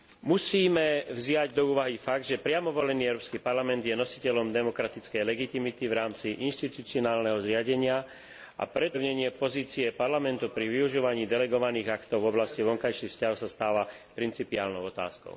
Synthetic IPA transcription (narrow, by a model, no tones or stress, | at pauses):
musiːmɛvzɪaɟd̪ɔuːʋaɦifaɡ̚d̪ʒɛpɾɪamɔʋɔlɛniːɛʊɾɔpskipaɾlamɛnd̪jɛnɔsi̥cɛlɔmd̪ɛmɔkɾat̪it͡skɛjlɛɡit̪imit̪iʋɾaːmt͡siʔinʃt̪it̪ut͡siɔnaːlnɛɦɔzɾɪaɟɛɲɪa | ʔa̰pɾɛʊɲɛɲɪɛpɔziːt͡siɛpaɾlamɛnt̪upɾiʋiuʒuːʋaɲiːd̪ɛlɛɡɔʋaniːɣakt̪ɔʊvɔblasciʋɔŋkajʃixfscaɦɔsast̪aːʋapɾint͡sipia̰ːlnɔʊɔt̪a̰ːskɔ̰ʊ